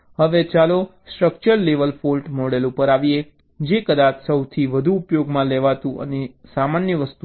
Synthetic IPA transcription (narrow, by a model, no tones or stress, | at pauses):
həʋet͡ʃalosʈɾəkt͡ʃəɾleʋəlfolʈmɔɽelupəɾaʋie | d͡ʒekəd̪at͡ʃʰsəwt̪ʰiʋəd̪ʱuːpjoɡmãleʋat̪ũʔə̰nesamanjəʋəst̪u